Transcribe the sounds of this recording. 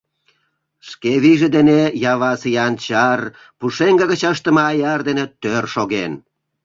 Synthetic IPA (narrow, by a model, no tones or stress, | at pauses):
ʃkeβiʒĕd̪enejɑβɑsijɑnt͡ɕɑr | puʃeŋɡəɣət͡ɕɑʃt̪ə̆mɑːjɑrd̪enet̪ørʃoɣen